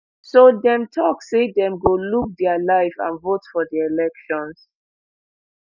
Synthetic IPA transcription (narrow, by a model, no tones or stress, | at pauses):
sodɛ̃mtʰɔksedɛ̃mɡoluk̚dɛalaɪfã̰nvotfɔdielɛkʃɔ̃ns